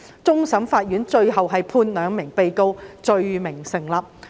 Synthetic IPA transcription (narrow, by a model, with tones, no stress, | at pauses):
t͡sʊ˥ŋsɐ˨˥mfaː˧t̚jyː˨˥nt͡ʃɵ˧ɥɦɐ˨wɦɐ˨jpʰuː˧nlœː˨˧ŋmɪ˨˩ŋpe˨jko˥wt͡ʃɵ˧ɥmɪ˨˩ŋsɪ˨˩ŋlaː˨p̚